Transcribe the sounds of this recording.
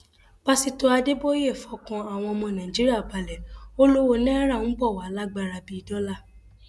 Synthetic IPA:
b̥a˦si˦˨to˧a˧de˦bo˦e˦˨fɔ˨˦kã˧a˨w̃ɔ̃˧ɔ˧mɔ̃˧nã˨d͡ʒi˦ɾi˦a˦˨ba˨lɛ˨o˦lo˦wo˧˨nĩ˦a˦ɾa˦˨ñ̩˦bɔ˦˨wa˨˦la˦ɡ͡ba˦˨ɾa˧bi˦i˧˦dɔ˦la˦˨

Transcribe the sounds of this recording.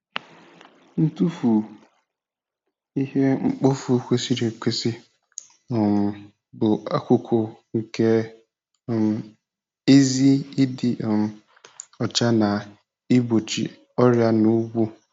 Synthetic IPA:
n̩˦tu˦fu˨ | i˦hɛ˦ŋ͡m̩˦k͡pɔ˦fu˨˦kʷe˦si˦ɾe˨kʰʷe˦sɪ˦˨ | m˨ | bʊ˨a˦kʷʰʊ˦kʰo˨ŋ̩˨kʰɛ˦˨ | m˨ | e˦zi˦e˦i˦dɪ˦˨m˨ | ɔ˨t͡ʃa˦nã˨ | i˦bo˨t͡ʃʰḭ˨ | ɔ˦ɾɪ˦a˦nʊ̃˦wu˦

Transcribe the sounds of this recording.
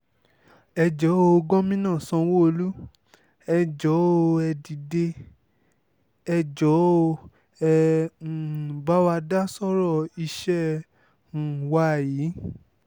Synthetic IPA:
ɛ˧d͡ʒɔ˨˦o˧ɡɔ̃˦mĩ˦nãː˦˨sã˧wo˦o˧lu˦ | ɛ˧d͡ʒɔ˨˦o˧ɛ˧di˨de˧ | ɛ˧d͡ʒɔ˨˦o˧ | ɛ˧˨ | ba˦wa˧da˦sɔ˦ɾɔ˦˨i˧ʃɛ̃˦˨ | wa˧˨ji˨˦

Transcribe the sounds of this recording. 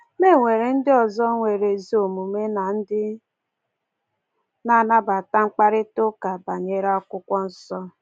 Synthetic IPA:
me˦˨ŋʷe˨ɾe˨n̩˦dɪ˦ɔ˨zɔ˦ŋʷe˨ɾe˨zi˦o˨mu˨me˦na˨n̩˦dɪ˦ | na˦˨na˦ba˨ta˦ŋ͡m̩˦k͡pa˦ɾɪ˦tʊ˦ka˨ba˨ɲe˦ɾa˦kʷʊ˦kʷɔ˦n̩˦sɔ˦

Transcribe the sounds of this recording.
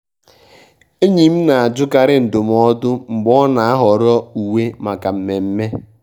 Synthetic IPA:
e˦ɲi˨m̩˦na˨a˨d͡ʒʊ˦ka˨ɾɪ˦n̩˨dʊ˨m˨ɔ˦dʊ˦ŋ͡m̩˨ɡ͡bɔ˦na˨a˦ɦɔ˨ɾɔ˦u˨we˦ma˨ka˨m̩˨me˨m̩˦me˦

